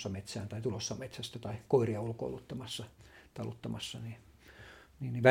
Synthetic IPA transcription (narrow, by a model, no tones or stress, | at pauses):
ɑmet̪sæːnt̪ɑit̪ulosːɑmet̪sæst̪æt̪ɑikoiriɑulko̰ulut̪ːɑmɑsːɑt̪ɑlut̪ːɑmɑsːɑni | niːnniʋæ